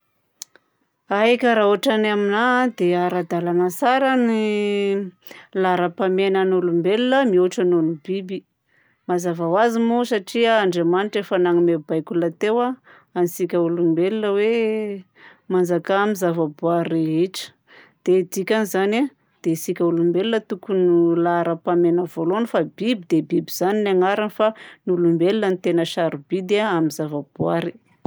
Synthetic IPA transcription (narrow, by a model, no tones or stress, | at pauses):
ajkʲəɾaoʈ͡ʂanaminad̪eaɾad̪alanasaɾani | laɾapamenanulumbelunəmiuʈ͡ʂanonibibi | mazavawazimusaʈ͡ʂiaːɳɖ͡ʐemaniʈ͡ʂefanaŋimebajkʲulat̪ewa | anisikʲəulumbelunəwe | mand͡ʒakamizavəbuaɾeɦeʈ͡ʂə̥ | d̪̥ed̪ikʲanizana | d̪̥esikʲəulumbelinət̪ukunulaɾəpamenəvolonifabibid̪ebibiz̥aninaŋaɾanifanulumbelinənit̪enəʃaɾub̥id̪aamizavab̥uaɾi